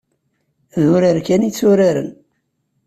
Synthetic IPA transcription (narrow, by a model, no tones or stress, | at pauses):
ðʊɾəɾkænit͡sːʊɾaɾə̰n